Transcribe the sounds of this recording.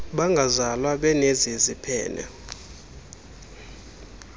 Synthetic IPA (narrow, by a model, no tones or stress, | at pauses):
ɓaŋɡʱazalwaɓɛnezizipʰɛ̰ːnɛ̰